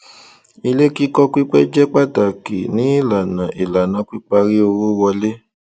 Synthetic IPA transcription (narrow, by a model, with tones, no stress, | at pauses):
i˧le˦ki˦kɔ˦kʷi˦k͡pɛ˦d͡ʒɛ˦k͡pa˦˨ta˨ke˨nĩ˨˦i˦˨la˨nã˨ʔi˨la˨nã˨˦kʷi˦k͡pa˦ɾi˦o˧wo˦wɔ˧le˦